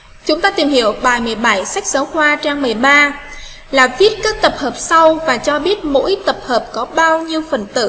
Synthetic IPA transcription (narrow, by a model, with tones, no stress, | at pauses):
t͡ɕʊ˨˦ŋ͡mt̪aː˧t̪i˨˩mhi˧˨əwɓa̰ː˧˨˩jmɨ˨˩əjɓa˧˩jsa˦˥jk̟̚səː˨˦wxwaː˧t͡ɕaː˧ŋmɨ˨˩əjɓaː˧ | laː˨˩vi˦˥ət̚kaː˦˥k̚t̪ə˨˩p̚həː˨˩p̚sa˧wvaː˨˩t͡ɕɔ˧ɓi˦˥ət̚mo̰˧˥jt̪ə˨˩p̚həː˨˩p̚kɔ˨˦ɓaː˧wɲi˧əwfə˨˩nt̪ɨ̰˧˨